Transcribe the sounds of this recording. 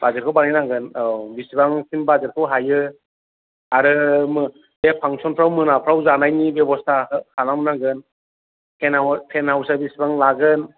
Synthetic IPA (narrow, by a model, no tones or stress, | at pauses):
bazeɾkʰɯwbanajnaɡɯnbisibaŋsimbazeɾkʰɯwɦajɯ | aɾɯmɯ | depʰaŋsɔnpʰɾawmɯnapʰɾawzanajnibebɔstʰahanamɯnaɡɯn | pʰenawpʰenawsabisibaŋlaɡɯn